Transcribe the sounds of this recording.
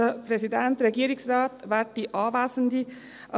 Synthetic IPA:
əpʰɾɛsɪd̪ɛnt̪ɾɛɡeːɾɪŋsɾɑːt̪ʋæʈːiʔɑːʋæːsənd̪i | ʔɑ

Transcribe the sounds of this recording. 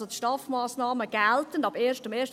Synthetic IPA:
ot̪ʃtɑːfmaːsnɑːməɡ̥ɛltənɑbeːɾʃtəmeːʃt

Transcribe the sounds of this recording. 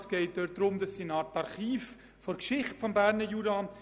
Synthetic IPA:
sɡ̥ɛɪt̚d̥øt̚d̥ɾʊmdɑsːinɑːɾtːɑɾχiːf | fɔɾkʃɪχtfɔmbæːɾnəjuɾɑ

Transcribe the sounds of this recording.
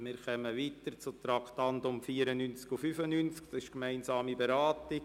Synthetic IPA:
mɪːɾχœməʋiːt̪əɾt͡sʊt̪ɾɑkʰtɑntʊmfiːəɾənynt͡skufyfənynt͡sktɑsɪʃkmæɪnsɑːmibɛɾaːtɪ

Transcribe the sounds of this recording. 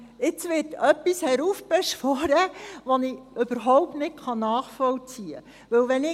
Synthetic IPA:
ɪt͡sʋɪːtœpːishɛɾuːfb̥ɛʃʋɔɾəʋoniøb̥əɾɦɔʊp̚tnɪtχɑnɑːχfɔlt͡siːə̰ | ʋɵwʋɛnɪ

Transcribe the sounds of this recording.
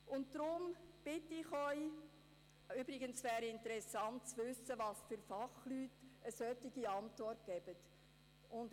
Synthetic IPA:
ʊntd̥ɾʊmb̥ɪtːɪχœʏ | ybɾɪɡənsʋæːɾɪntəɾɛsɑnt̚t͡sʋʉsəvɑsfʏɾfɑχlyːtəsœtːɪɡiɑntvɔrtɡ̥ɛb̥ət | ʊnd

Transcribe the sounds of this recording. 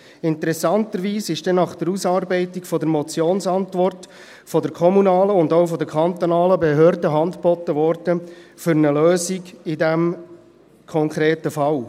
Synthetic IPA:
ɪntəɾɛsɑnt̪əɾʋiːsɪʃd̥ɛnɑχd̪̥əɾusɑːɾbɛɪtikfɔdəɾmɔt͡sjoːnsɑntʋɔrt | fɔdəɾkʰɔmunɑːləʊndoʊfɔd̪əɾkʰɑnt̪ɔnɑːləbɛɦøːɾdəɦɑndb̥ɔt̪ːəʋɔɾd̥əfʏɾnəløːziɡɪdæm | kʰɔŋkʰʁeːtəfɑl

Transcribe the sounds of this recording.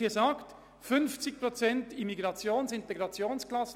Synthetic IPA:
iːzaːkt | fʏnft͡sɪk̚pʁot͡sɛntimiɡʁɑt͡sjoːnsɪnteɡʁɑt͡sjoːnsklɑs

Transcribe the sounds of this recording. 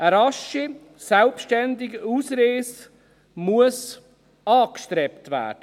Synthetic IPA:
əɾɑʃi | sɛlpʃtɛndɪɡuːsɾeːs | muəs | ɑːkʃtɾɛptvæ̰ːɾd̥ə

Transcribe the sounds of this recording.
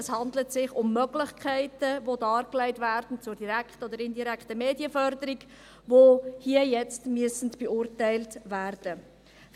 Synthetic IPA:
ɛshɑndlətsɪχʊmːœɡlɪχkʰɛɪtəvodɑːɾklɛɪtvæːrd̥n̩t͡sʊɾdiɾækχtəɔdəɾɪndiɾɛkχtəmeːdiəfœɾdəɾik | vohiəjɛt͡stmyəsn̩tb̥eʊrtɛɪltværd̥ə

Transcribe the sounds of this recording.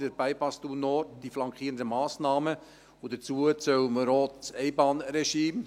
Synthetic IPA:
d̥əɾbæɪpɑstunɔrtd̥iflɑŋkχiːənd̪əmɑːsnɑːmə | ʊdət͡suət͡sœwməɾoːtsɛɪbɑːnɾeʃiːm

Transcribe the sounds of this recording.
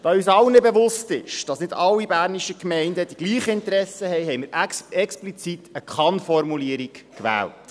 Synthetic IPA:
d̥ɑyːsɑlnɛbeʋʊstɪʃd̥ɑsnɪdɑlːibæːɾniʃəkmɛɪndəd̥iɡ̥liːχəɪntəɾɛsəhɛɪɦɛɪməɾɛksplit͡sitəkʰχɑnfɔɾmuliəɾikkʋæ̰ːlt

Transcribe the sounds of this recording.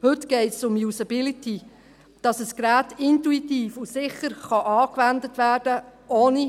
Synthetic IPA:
hɵtɡ̥ɛɪtsʊmjusɑbɪliti | d̥ɑsəskɾæːtɪntuitiːfusɪχəɾχɑʔɑːkʋændətʋæːrd̥əʔoːni

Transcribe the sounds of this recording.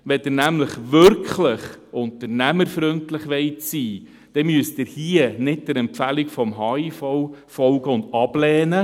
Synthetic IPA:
ʋɛd̥ɪnæmləχʋʏɾkχləχʊntəɾnæməɾfɾʏntlɪχʋɛɪtsiː | d̥ɛmyəsd̥ɪɾhiənɪtd̥əɾɛmpfælikfɔmɦɑːifɔwfɔlɡəʊndɑb̥lɛːnə

